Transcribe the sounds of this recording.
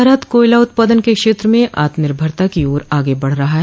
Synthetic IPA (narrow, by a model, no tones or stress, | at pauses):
ɾaːt̪koːɪlaʊt̪̚paːd̪ənkekʃeːt̪ɾəmẽʔa̰ːt̪mɪɾbʱɐɾt̪akioːɾaːɡebɐɽ̤ɾɐɦaɦɛ